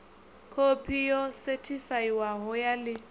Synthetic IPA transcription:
kʰopʰijɔsɛtʰifaiwaɦɔjalɪ

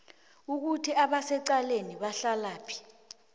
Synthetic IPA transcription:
uk̬utʰiaɓasɛǀaleniɓaɬalaːpʰi̥

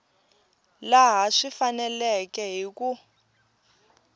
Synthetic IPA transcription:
laɦaʂifanɛlɛkɛɦiku

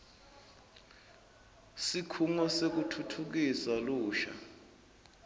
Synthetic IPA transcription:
sikʰuŋɔsek̬utʰutʰuk̬isaluːʃa̰

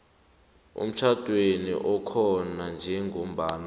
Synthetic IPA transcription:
ṵm̩t͡ʃʰad̥ʱʼwenḭʔɔkʰɔnand͡ʒʱɛŋʱom̩baːna

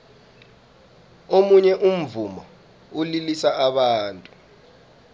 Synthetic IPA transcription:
omuɲɛʔum̩vumɔ | ulilisaaɓaːntʼu

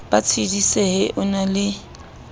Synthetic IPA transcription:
b̥at͡sʰidiseɦɪʔʊnalɪ

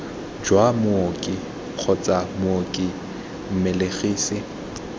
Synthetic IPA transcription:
d͡ʒwamʊokʼɪ | q͡χʰɔt͡sʼamʊokʼɪ | m̩meleɣiːsɪ

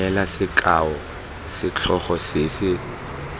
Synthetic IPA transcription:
ɛlasɪkʼaɔ | sɪt͡ɬʰɔχɔsɪsɪ

